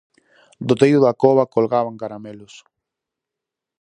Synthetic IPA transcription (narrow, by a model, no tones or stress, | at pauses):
d̪ot̪ejʊðakoβakolɣaβaŋkaɾamelʊs